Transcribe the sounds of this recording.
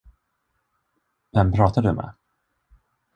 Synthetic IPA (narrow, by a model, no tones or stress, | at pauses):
vɛmpʰɾɑːt̪ad̪ɵmɛ̰